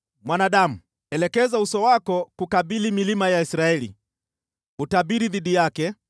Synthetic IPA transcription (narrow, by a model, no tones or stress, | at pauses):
mwanaɗamu | ɛlɛkɛzausɔwakɔkukaɓilimilimajaisɾaɛlḭ | utaɓiɾiðiɗijakɛ